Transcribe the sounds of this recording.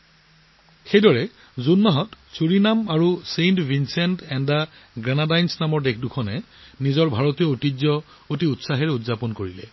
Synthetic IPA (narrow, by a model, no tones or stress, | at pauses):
xejdɔɹɛ | zunːɔɦɔtsuɹinamaɹusejntvinsɛntɛndaɡɹanadajnsnamɔɹdekʰdukʰɔnɛ | nizɔɹbʱaɹotijɔotizɔ | otiutsaɦɛɹudzapɔnkoɹilɛ̰